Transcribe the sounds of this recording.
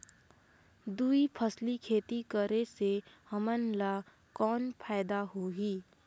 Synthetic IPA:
d̪uːipʰəslikʰeːt̪ikəɾesehəmənla | kɔːnpʰaːɪd̪aɦoːɡiː

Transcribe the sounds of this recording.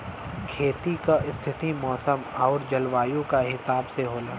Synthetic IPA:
kʰeːt̪ikaʔɪst̪ʰɪt̪imɔːsəmaʊɾd͡ʒɐlʋaːjõkaɦɪsaːbseɦoːlaː

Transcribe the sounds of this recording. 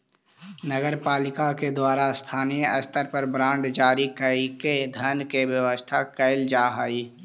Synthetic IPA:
nəɡəɾpaːlɪkaked̪waːɾast̪ʰaːneɐst̪əɾpəɾbɾãːɳɖd͡ʒaːɾikəiked̪ʱənkewjəwəst̪ʰakəɪld͡ʒaːɦaːi

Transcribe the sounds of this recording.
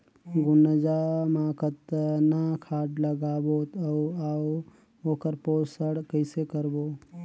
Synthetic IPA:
ɡʊnəd͡ʒaːmaːkət̪nakʰaːɖləɡaːbot̪əaw | oːkəɾpoːsəɽkəɪsekəɾboː

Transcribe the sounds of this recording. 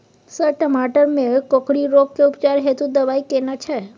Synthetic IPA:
səʈəmaʈəɾmẽkɔkɽiɾok̚kːeupt͡ʃaɾɦet̪ũd̪əʋajkenat͡ʃʰe

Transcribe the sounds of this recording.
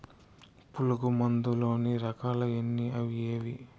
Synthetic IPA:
puluɡumɐnd̪ulo̞ːniɾɐkaːlɐenːiɐʋijeːʋi

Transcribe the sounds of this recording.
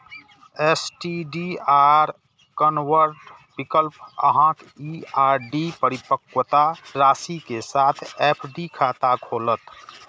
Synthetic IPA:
eːsʈiɖiaːɾ | kənwəɾʈ | bɪkəlpə̰ɦãk̪ | iaːɾɖipəɾɪpəkwət̪aɾaːsikesaːt̪ʰeːpʰɖikʰaːt̪akʰoːlət̪

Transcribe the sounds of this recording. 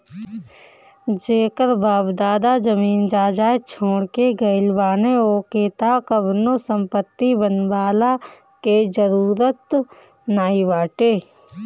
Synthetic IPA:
d͡ʒeːkəɾbaːbd̪aːd̪ad͡ʒəmiːnd͡ʒaːd͡ʒaːet͡ʃʰoːɽkeɡəɪlbaːneoːkeːt̪akəbnosə̃mpət̪ːibənbaːla | ked͡ʒəɾuːɾət̪ | naːiʋaːʈeː

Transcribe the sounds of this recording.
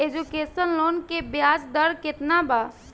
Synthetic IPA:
ed͡ʒukeːsənloːnkebjaːd͡ʒd̪əɾkɪt̪nabaː

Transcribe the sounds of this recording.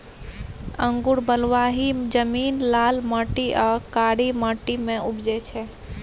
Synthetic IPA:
ə̰ŋɡuɽbəlʋaɦid͡ʒəmiːnlalməʈiʔaːkaɽiməʈːimẽubd͡ʒɛt͡ʃʰɛ

